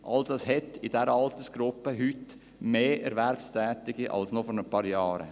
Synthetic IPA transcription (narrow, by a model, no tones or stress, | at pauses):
ʔɑ̰lsɑshɛtɪd̥ɛɾəɑlt̪əsɡ̥ɾʊpːəɦyt | meːʔɛɾʋɛɾpstʰɛːt̪ɪɡ̥iʔɑ̰lsnofɔɾnəpɑːɾjɑːɾə̰